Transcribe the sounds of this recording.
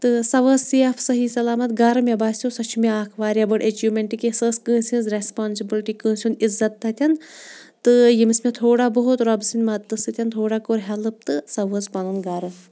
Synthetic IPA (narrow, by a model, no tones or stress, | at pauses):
t̪ɨsɐʋəzsiɐfsɐɦisɐlaːmɐt̪ɡaːɾɨmebaːsjosɐt͡ʃʰumeaːkʰʋaːɾʲabɐɽet͡ʃuːmʲeɳʈikesəːskə̃ːsʲĩːnzɾespaːnsibilʈiːkə̃ːsʲunizːɐt̪ːɐt̪ʰʲɐnt̪ɨjimsmet̪ʰoːɽabɐɦut̪ɾɐbsinʲmɐt̪ːɨsɨt̪ʲɐnt̪ʰoːɽaːkoɾɦɐlɨp̚t̪ɨsɐʋəːzpɐnunɡaːɾɨ